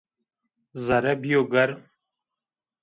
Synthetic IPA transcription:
zɐɾɐbijoɡɐɾ

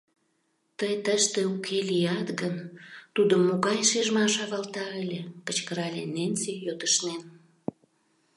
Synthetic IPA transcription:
t̪əjt̪əʃt̪ĕukʰelijɑt̪ɡənt̪ud̪omoɣɑjʃeʒmɑʃɑβɑlt̪ɑəlʲekət͡ɕkəɾɑlʲḛnensijot̪əʃnen

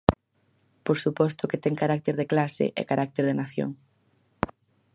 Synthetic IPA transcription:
poɾsupɔst̪oket̪ɛŋkaɾak̚t̪eɾðeklasɪ̰ʔḛkaɾak̚t̪eɾðenaθjo̰ŋ

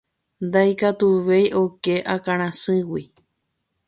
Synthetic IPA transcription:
nd̪ajkat̪uʋejʔo̞ke̞ʔakãɾ̃ãsɨ̃wi

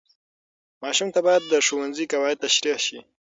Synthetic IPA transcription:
mɑʃumt̪abɑjad̪ːəʂowanzikawɑɪd̪̚t̪aʃɾiʃi

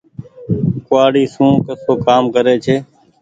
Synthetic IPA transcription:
kʊaːɽiːsũːkəsoːkaːmkəɾeːt͡ʃʰeː

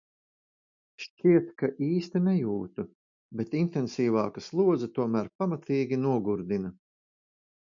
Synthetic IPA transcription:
ʃt͡ʃiɛt̪kaʔiːst̪inɛjuːt̪u | bet̪int̪ɛnsiːvɑːkaslˠuɔd̪zɐt̪uɔmæːɾpamat̪iːɡʲinuɔɡuɾd̪inɐ

